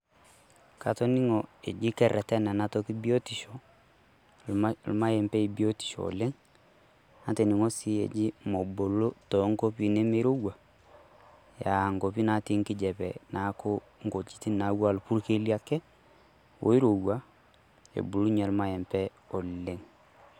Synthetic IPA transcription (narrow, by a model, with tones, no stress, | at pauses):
ka˨tɔ˦ni˦ŋɔ˨e˨d͡ʒi˦kɛ˨ɾɛ˨tɛ˦na˨na˦tɔ˦ki˦bi˦o˦ti˨ʃɔ˨ | lma˦jɛ˨mpɛ˦i˨bi˦o˦ti̥˨ʃɔ̰˨le˦ŋ | a˨te˨ni˨ŋo˦si˦ḛ˨d͡ʒi˦mɔ˨bo˨lo˦tɔ˨˦ŋko˦pi˨ne˦me˦ɾo˦wa˨ | ja˨ŋɡo˨pi˦na˨˦ti˦ŋkɪ˦d͡ʒɛ˨pɛ˨na˨˦ko˦ | ŋ˦ɡo˨t͡ʃi̥˦ti˦na˨˦wa˦˨lpu˦ɾke˦li˦a˦kɛ˦ | wo̰˦i˦ɾo˨wa˦ | ḛ˨bu˨lu˦ɲa˨lma˦jɛ˨mpɛ˦ | o˨le˦ŋ